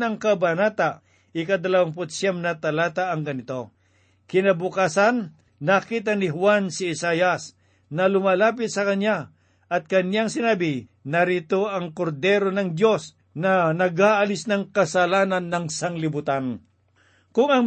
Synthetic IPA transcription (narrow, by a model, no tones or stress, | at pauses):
nɐŋkɐbanat̪a | ʔɪkɐd̪ɐlawaŋp̬ʊt̪̚sɛmnɐt̪ɐlaːt̪aːŋɡɐnɪt̪o̞ | kɪnɐbʊkasanː | akiːt̪̬anɪɦwansɪːsajas | nɐlʊmalaːp̬ɪt̪̚sɐkɐɲja | ʔɐt̪̚kɐnjaŋsɪnaːbɪnɐɾit̪oɐŋkoɾd̪ɛːɾonɐŋd̪jo̞s | nɐnɐɡaːʔɐlɪsnɐŋkɐsɐlaːnɐnːɐŋsaŋlɪbʊt̪an | kʊŋɐŋ